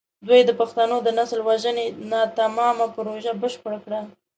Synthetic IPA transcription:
d̪wujd̪əpaxt̪anod̪ənasəlwaʒənenɑt̪amɑmapɾoʒabəʃpəɽakɽa

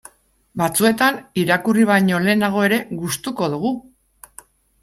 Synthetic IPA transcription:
bat͡sue̞t̪aniɾakuriβ̞ajɲo̞le̞ːnaɣ̞o̞e̞ɾe̞ɣust̪uko̞ðuɣ̞u

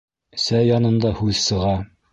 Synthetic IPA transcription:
sæjɒnɤ̆nd̪ɑhʉðsɤ̆ʁɑ

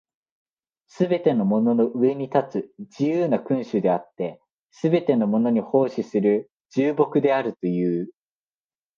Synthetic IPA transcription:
sɨbe̞t̪e̞no̞mo̞no̞no̞ʔɯ̟e̞ɲ̟it̪at͡sɨd͡ʑijɯːnakɯ̟̃ɰ̃ɕɨd̪e̞at̪ːe̞ | sɨbe̞t̪e̞no̞mo̞no̞ɲ̟iho̞ːɕisɨɾɯ̟ | ʑɨːbo̞kɯ̟d̪e̞aɾɯ̟t̪o̞jɯ̟ː

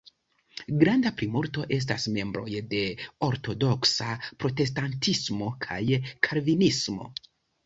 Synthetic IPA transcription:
ɡɾandapɾimuɾto̞ʔe̞s̬tasme̞mbɾo̞̰jde̞o̞ɾto̞do̞ksapɾo̞te̞s̬tantismo̞kʰa̰jkʰaɾvinismo̞̰

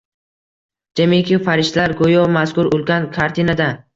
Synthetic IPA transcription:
d͡ʒamikʲɪfaɾɪʃt̪laɾɡojɒmaskʊɾʊlˠɡʲankʰaɾt̪ʰinad̪a

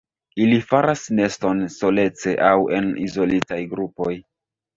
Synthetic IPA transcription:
ilifaɾasne̞sto̞nso̞le̞t͡se̞ʔawe̞̰nḭzo̞litajɡɾupo̞j

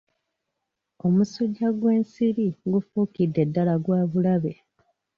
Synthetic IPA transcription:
o̞musuɟːaɡwe̞ːnsiɾiɡufuːkidːe̞dːalaɡwaːβulaβe̞

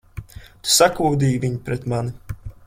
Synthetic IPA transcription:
t̪u̥sakuːd̪iːjvʲiɲipɾɛt̪mani

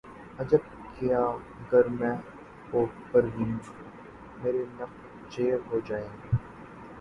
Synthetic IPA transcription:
ɐd͡ʒəb̚ | kɪjaː | ɡəɾmɛ̃ | oːpəɾɦĩn | meːɾenɐq | d͡ʒeːɦoːd͡ʒaːẽːɡi

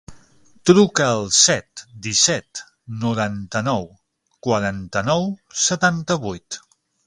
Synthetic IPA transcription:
t̪ɾukəːlˠsɛt̪d̪isɛt̪ | nuɾant̪ənɔw | kwaɾant̪ənɔwsət̪ant̪əβujt̪

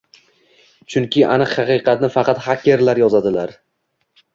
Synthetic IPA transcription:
t͡ʃʰʊŋkʲʰɪʔa̰nɨqhɑqɨjqʰɑt̪nɪfɑqʰɑt̪hakʲːe̞ɾlaɾjɒzad̪ɪlaɾ

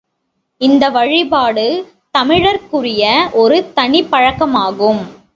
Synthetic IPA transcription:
ɪnd̪ɐʋɐɻɪbaːɽɯ | t̪ɐmɪɻɐɾkɯrɪjɐʔɔɾɯt̪ɐɳɪpːɐɻɐkːɐmaːɣɯm

